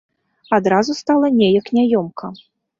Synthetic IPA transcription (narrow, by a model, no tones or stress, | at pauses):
ad̪ɾazust̪alˠɐnʲejɐknʲajɔmkʰɐ